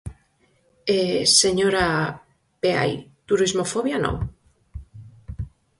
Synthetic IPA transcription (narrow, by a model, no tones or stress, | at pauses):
eseɲoɾa | pea̰jt̪uɾizmofoβjanõ̰ŋ